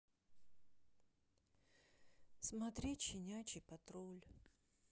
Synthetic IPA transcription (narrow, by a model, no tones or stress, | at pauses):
smɐt̪ɾʲit͡ɕɪnʲat͡ɕɪpɐt̪ɾolʲ